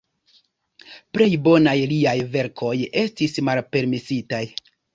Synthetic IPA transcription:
ple̞jbo̞najliajve̞ɾkʰo̞je̞stismalpe̞ɾmisitaj

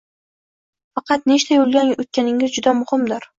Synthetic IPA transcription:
fɑqʰɑt̪̚neʃt̪ʰajolˠɡʲanot̪̚kʲanɪŋɪzd͡ʒʊd̪amʊhɪmd̪ɪɾ

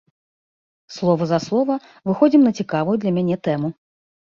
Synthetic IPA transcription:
slˠɔvɐzaslˠɔvɐ | vɨxɔd͡zʲimnɐt͡sʲikavujud̪lʲɐmʲanʲɛt̪ɛmu

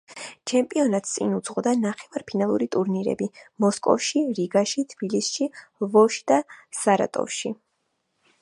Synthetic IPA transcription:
t͡ʃʰɛmpʼiɔnat̪st̪sʼḭnut̪sʰχɔd̪anaχɛvaɾpʰinalˠuɾit̪ʼuɾniɾɛ̰bimɔskʼɔ̰fʃiɾiɡaʃit̪ʰb̥ilisʃivɔʃd̪̥asaɾa̰t̪ʼɔ̰fʃi

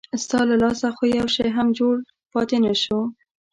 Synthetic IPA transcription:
st̪ɑlalɑsaxojawʃejɦamd͡ʒoɽ | pɑt̪enaʃo

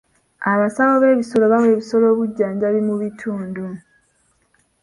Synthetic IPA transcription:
aβasawoβe̞ːβiso̞lo̞βawe̞ːβiso̞lo̞ːβuɟːaːɲɟaβimuβitʰuːndu

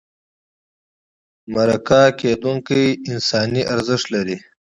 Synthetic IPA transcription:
maɾakaked̪uŋkijɪnsɑːniʔaɾzɪʂt̪laɾi

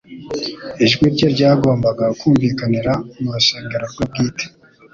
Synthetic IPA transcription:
iʒɡwiɾɟeɾɟaːɡo̞ːmbaɡakuːmviːkaniɾamuɾuʃe̞ːŋɡeɾoɾɡwab̚ɡiːte̥

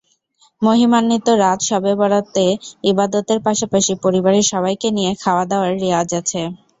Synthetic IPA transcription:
moɦimanːit̪oɾat̪ʃɔbebɔɽat̪ːeibad̪ot̪eɾpaʃapaʃipɔɾibaɾeɾʃɔβajkenijekʰaoad̪eoaɾːead͡ʑat͡ɕʰe

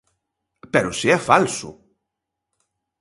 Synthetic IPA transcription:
peɾusiɛfalsṵ

